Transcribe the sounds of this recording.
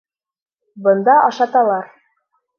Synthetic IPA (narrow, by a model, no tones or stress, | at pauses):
bɤ̆nd̪ɑʔɑʃɑt̪ɑlˠɑɾ